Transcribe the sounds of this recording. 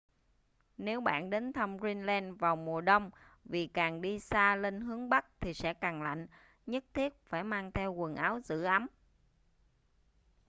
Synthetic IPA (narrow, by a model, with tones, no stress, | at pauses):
ne˨˦wɓa̰ː˧˨nɗe˨˦nt̪ʰə˧wmzi˧nlɛ˧nvaː˨˩wmu˨˩əɗə˧wŋ͡mvi˨˩kaː˨˩ŋɗi˧saː˧le˧nɦɨ˨˦əŋɓa˦˥k̚t̪ʰi˨˩sɛ̰˧˥kaː˨˩ŋla̰˧˨jŋ̟ | ɲə˦˥t̚t̪ʰi˦˥ət̚faː˧˩jmaː˧ŋt̪ʰɛ˧wkwə˨˩nʔaː˨˦wzɨ̰˧˥ʔa˨˦m